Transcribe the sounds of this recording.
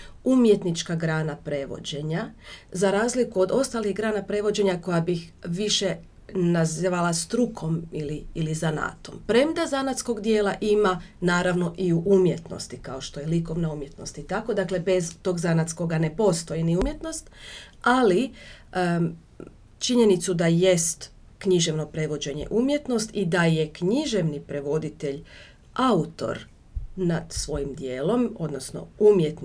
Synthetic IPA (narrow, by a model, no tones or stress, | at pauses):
umje̞t̪nit͡ʃkaɡɾaːnapɾe̞ʋo̞̰d͡ʑe̞ɲazaɾaːzlikuo̞d̪o̞st̪aliɣɡɾaːnapɾe̞ʋo̞d͡ʑe̞ɲako̞jabixʋiʃe̞ | naziʋalˠast̪ɾukʰo̞miliːlizana̰ːt̪o̞̰mpɾe̞md̪azanat̪sko̞ɡd̪je̞ːlˠaʔimanaːɾaʋno̞ʔiuʔumje̞t̪no̞̰st̪ikao̞ʃt̪o̞jeliko̞ʋnaumje̞t̪no̞st̪it̪ako̞d̪akle̞be̞zt̪o̞ɡzanat̪sko̞ɡane̞po̞st̪o̞jiniumje̞t̪no̞st̪ali | t͡ʃiɲe̞nit̪sud̪aje̞st̪ | kɲiʒe̞ʋno̞pɾe̞ʋo̞d͡ʑe̞ɲe̞̰ʔumje̞t̪no̞st̪id̪aje̞kɲiʒe̞ʋnipɾe̞ʋo̞d̪it̪e̞ʎ | aut̪o̞̰ɾ | nad̪̥sʋo̞jimd̪je̞ːlo̞mo̞d̪nosno̞̰umje̞t̪n